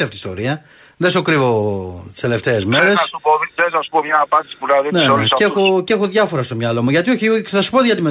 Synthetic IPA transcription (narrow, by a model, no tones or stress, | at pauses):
ɐft̪ist̪oɾiɐ | ðest̪okɾivo̞t̪i̥st̪ele̞ft̪e̞ːzme̞ɾe̞ssupoðensɐsu̥pomɲɐːpɐnd̪isi̥punɐðeneseoce̞xoðʝɐfo̞ɾɐst̪omɲɐlo̞muʝɐt̪io̞çiθɐsu̥poðʝɐt̪ime